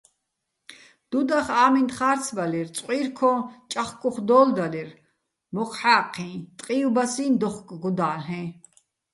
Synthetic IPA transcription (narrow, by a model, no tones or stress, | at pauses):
d̪̥ud̪aχaːmint̪χaːɾt͡sʰbalirt͡sʼqʼiːrkʰɔt͡ʃʼaχkʼuχd̪ɔːld̪alir | mɔqʰħaːqʰĩːt̪ʼqʼiubasiːnd̪ɔχkʼɡud̪aːlɦɛ̃